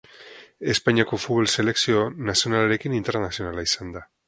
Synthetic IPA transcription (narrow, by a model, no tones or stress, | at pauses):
e̞spaɲiako̞fut̪βo̞lse̞le̞ksio̞nasionalaɾe̞kinint̪e̞ɾnasio̞nalaisand̪a